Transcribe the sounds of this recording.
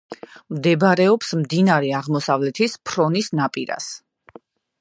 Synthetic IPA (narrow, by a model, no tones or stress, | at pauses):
md̪ɛbɾɛɔpsmd̪inaɾɛaʁmɔsavlɛt̪ʰispʰɾɔnisnapʼiɾa̰s